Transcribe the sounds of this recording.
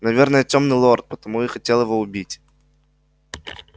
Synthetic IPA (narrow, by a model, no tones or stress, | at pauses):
nɐvʲernəjətʲomnɨlˠort̪̚pət̪ɐmujɪxɐtʲelˠjɪvoʊbʲitʲ